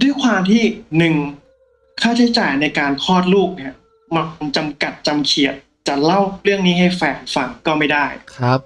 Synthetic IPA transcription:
du˥˩əjkʰwaː˧mt̪ʰiː˥˩nɯ˨˩ŋ | kʰaː˥˩t͡ɕʰa˦˥jt͡ɕaː˨˩jna˧jkaː˧nkʰɔː˥˩t̪̚luː˥˩k̚ni˥˩ɐ | ma˧ŋt͡ɕa˧mka˨˩t̪̚t͡ɕa˧mkʰi˨˩ət̪̚ | t͡ɕa˨˩la˥˩wɾɯ˥˩əŋniː˦˥ɦa˥˩jfɛː˧˩nfa˨˩ŋkɔː˥˩ma˥˩jdaː˥˩jkʰɾa˦˥p̚

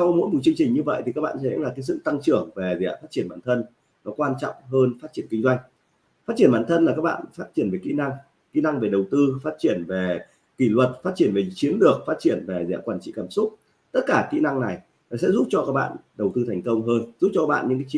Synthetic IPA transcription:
sa˧wmo̰˧˥jmu˨˩t͡ɕɨ˧ŋt͡ɕï˨˩ŋ̟ɲɨ˧və̰˧˨jt̪ʰi˨˩kaː˦˥k̚ɓa̰ː˧nsɛ̰˧˥laː˨˩k̪e˨˦sɨ̰˧˨t̪a˧ŋt͡ɕɨ˧˩əŋve˨˩zḭ˧˨a̰˨˩faː˦˥t̚t͡ɕi˧˩ənɓa̰ː˧˩nt̪ʰə˧n | nɔ˨˦kwaː˧nt͡ɕɔ̰˧˨wŋ͡mɦəː˧nfaː˦˥t̚t͡ɕi˧˩ənki˧ŋ̟zwa˧jŋ̟ | faː˦˥t͡ɕi˧˩ənɓaː˧˨nt̪ʰə˧nlaː˨˩kaː˦˥k̚ɓa̰ː˧˨nfaː˦˥t̚t͡ɕi˧˩ənve˨˩kḭ˧˥na˧ŋ | kḭ˧˥na˧ŋve˨˩ɗə˨˩wt̪ɨ˧faː˦˥t̚t͡ɕi˧˩ənve˨˩ | ki˧˩lwə˨˩t̚faː˦˥t̚t͡ɕi˧˩ənve˨˩t͡ɕi˨˦ənɗɨ˨˩ək̚faː˦˥t̚t͡ɕi˧˩ənve˨˩za̰˧˥kwaː˧˩nt͡ɕḭ˧˥˨kaː˧˩msʊ˦˥k͡p̚ | t̪ə˦˥t̚kaː˧˩kḭ˧˥na˧ŋna˨˩j | va˨˩sɛ̰˧˥zu˦˥p̚t͡ɕɔ˧kaː˦˥k̚ɓa̰ː˧˨nɗə˨˩wt̪ɨ˧t̪ʰɛ˨˩jŋ̟kə˧wŋ͡mɦəː˧nzp̚t͡ɕɔ˧aː˦˥k̚ɓ̰ːɲɨ̰˧˥k̬aː˨˦˧

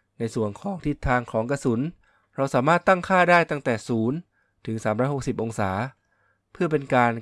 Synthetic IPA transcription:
na˧jsu˨˩ənkʰɔː˩˦ŋt̪ʰi˧˦˥t̪ʰːaː˧ŋkʰɔː˩˦ŋka˧su˩˦n | ɾa˧wsaː˩˦maː˥˩t̪ːa˥˩ŋkʰaː˥˩daː˥˩jt̪a˥˩t̪ɛː˨˩suː˩˦n | t̪ʰɯ˩˦ŋsaː˩˦mɾɔː˧˥jho˨˩k̚si˨˩p̚ʔo˧ŋsaː˩˦ | pʰɯ˥˩ɐpe˧nkaː˧n

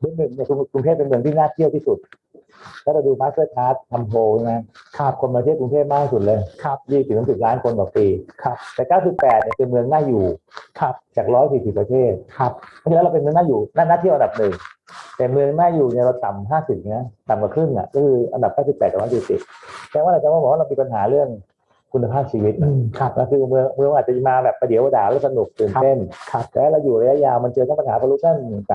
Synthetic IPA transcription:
mɯ˧əŋnɯ˨˩ŋni˥˩ku˧kɾu˧ŋt̪ʰe˥˩pːe˧nmɯ˧əŋt̪ʰiː˥˩naː˥˩t̪ʰi˥˩əwt̪ʰiː˥˩su˨˩t̪̚ | lɛ˦˥wɾa˧wduː˧maː˦˥sɯ˥˩ət͡ɕ̪ʰaː˦˥t̪̚kʰːa˧mpʰoː˧t͡ɕa˧˩ma˦˥kʰa˧kʰo˧maː˧t̪ʰiː˥˩kɾu˧ŋt̪ʰeː˥˩p̚maː˥˩kt̪i˥˩su˨˩t̪̚lɤː˧jk̚ʰjiː˥˩˨s̚nʰː˨˧˦si˨˩p̚laː˦˥nkʰo˧ndɔː˨˩k̚piː˧kʰp̚t̪ɛː˨˩kaː˥˩ws̬i˨˩pːɛː˨˩t̪̚ni˧˩ə˩pe˧nmɯ˧əŋnaː˥˩juː˨˩kʰa˦˧p̚t͡ɕaː˨˩k̚ɾɔː˦˥js̬iː˨˩si˨˩pːɾa˧t̪ʰeː˥˩t̪̚kʰa˧˩p̪̚ːʰi˧lːɾa˧wpe˧nmɯ˧əŋnaː˥˩juː˨˩naː˥˩naː˥˩t̪ʰi˥˩ʔnda˨˩p̚nɯ˨˩ŋt̪ɛː˨˩mɯ˧əŋnaː˥˩juː˨˩ni˧˩əɾa˧wt̪a˨˩mɦaː˥˩si˨˩p̚ːt̪a˨˩mka˨˩kʰɾɯ˥˩ŋʔa̰˨˩kɔː˥˩kʰɯː˧ʔa˧nda˨˩p̚kaː˥˩si˨˩pːɛː˨˩t̪̚ɔː˨˦aː˥˩i˨˩sḭ˨˩t̪̚t͡ɕɛ˧˦waː˥˨aː˧˩t͡ɕaː˨˧˩waː˥˩ɔː˨˦wa˥˩ɾa˧mi˧pa˧nɦaː˩˦ɾɯ˥˩əŋ | kʰu˧nːa˧pʰaː˥˩p̚t͡ɕʰiː˧wi˦˥t̪̚ʰna˧˩kʰɯː˧mɯ˧əŋmɯ˧ŋ˧ʔaː˨˩t͡ɕa˨˩˨maː˧bɛː˨˩p̚ːa˧di˨˩˦əwa˧daː˨˦la˧˦˥sa˧nu˨˩k̚t̪ɯː˨˩nte˥˩nʰ˧lɛː˧˩˦ɾa˧wjuː˨˩ɾa˧ja˦˥ʔjaː˧wma˧nt͡ɕɤː˧t̪ʰa˧˥˩pa˧nhaː˩˦pa˧lu˦˥t̪̚na˥˩n˨˩˨a˨˩

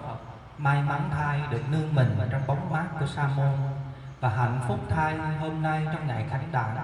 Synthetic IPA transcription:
maː˧jma˨˦nt̪ʰaː˧jɗɨ˨˩ək̚nɨ˧əŋmï˨˩ŋ̟ʔəː˨˩t͡ɕɔ˧wŋ͡mɓa˨˦wŋ͡mmaː˦˥kkːu˧˩əsaː˧mo˧n | vaː˨˩ɦa̰˧˨jŋn̟fʊ˦˥k͡p̚t̪ʰaː˧jɦo˧mna˧jt͡ɕɔ˧wŋ͡mŋa̰ː˧˨jxa˨˩˦jŋ̟ɗa̰ː˧˩ŋ

